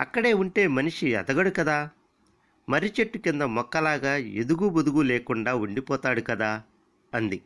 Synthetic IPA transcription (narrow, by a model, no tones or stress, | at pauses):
ɐ̰kːɐɽe̞ːuɳʈe̞ːmɐniʂiɐ̰d̪ɐɡɐɽukɐd̪aː | mɐɾit͡ʃeʈːukind̪ɐmɔkːɐlaːɡaːḛd̪uɡubud̪uɡuleːkuɳɖaːuɳɖipɔːt̪aːɽukɐd̪aː | ɐnd̪i